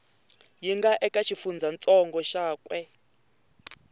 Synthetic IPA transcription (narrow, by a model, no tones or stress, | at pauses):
jiŋɡaʔɛkʼat͡ʃʰifund͡zʱant͡sʼɔŋɡɔʃaːkʼwɛ